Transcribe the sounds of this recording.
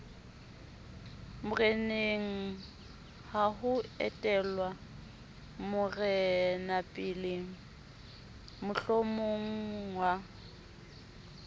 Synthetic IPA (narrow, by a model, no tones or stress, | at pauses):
mʊrɛneŋ̩ | haɦʊɛ̰tʼɛlwa | mʊrɛnapʼɪleŋ̩ | mʊɬomoŋ̩wa